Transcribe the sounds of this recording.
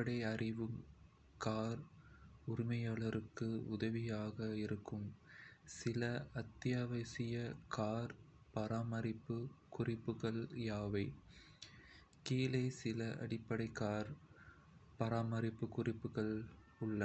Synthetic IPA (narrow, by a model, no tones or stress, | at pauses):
pːɐɽɐɪɐrɪʋɯm | kaːɾʊɾɪmɐjaːɭɐɾɯkːɯʊðɐʋɪjaːɣɐɪɾɯkːɯmsɪlɐɐt̪ːɪjaːʋɐsɪjɐkʰaːɾ | pɐɾaːmɐɾɪpːɯkʊrɪpːɯɣɐɭjaːʋɐɪ | kiːlɐɪsɪlɐʔɐ̰ɽɪpːɐɽɐɪkaːɾ | pɐɾaːmɐɾɪpːɯkʊrɪpːɯɣɐɭ | ʊɭːɐ